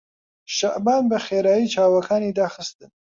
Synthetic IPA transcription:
ʃaʔbɑnbəxeɾɑjit͡ʃɑwakɑned̪ɑxəst̪ən

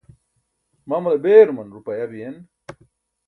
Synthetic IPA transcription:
mamɐlɐbeːɾmɐnɾupɐjɐbijen

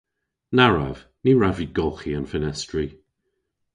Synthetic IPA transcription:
naɹa̰v̥ | niɹaviɡɔlˠxianfɪnɛstɹi

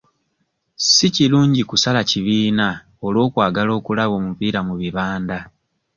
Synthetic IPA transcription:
siciluːɲɟikusalaciβiːna | o̞lo̞ːkwaːɡalo̞ːkulaβo̞ːmupiːɾamuβiβaːnda

